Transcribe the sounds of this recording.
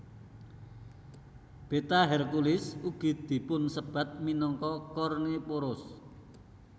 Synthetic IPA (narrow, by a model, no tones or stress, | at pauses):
b̥e̤t̪aɦɛrkulɪsuɡ̥i̤d̪̥i̤pʊnsəb̥ä̤t̪̚minɔŋkɔkɔrnepoɾʊs